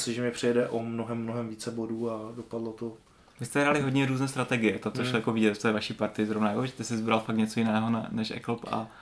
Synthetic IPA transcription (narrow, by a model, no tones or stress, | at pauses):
sɪʒɛmɛpr̝̥ɪjɛdɛʔomnoɦɛmːnoɦɛmviːt͡sɛboduːadopadlot̪o | vɪst̪ɛɦɾalɪɦoɟɲɛɾuːznɛːs̬t̪ɾat̪ɛɡɪjɛt̪at̪oʃlojakovɪɟɛt̪t̪oɛvaʃiːpaɾt̪ɪzɾovnajakovɪt̪ɛsɪzbɾalfaktɲɛt͡so̞jɪnɛːɦonɛnɛʃʔɛ̰kl̩pa̰